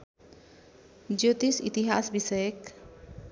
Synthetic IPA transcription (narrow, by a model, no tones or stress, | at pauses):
d͡ʒot̪isḭt̪iɦasbisɔjek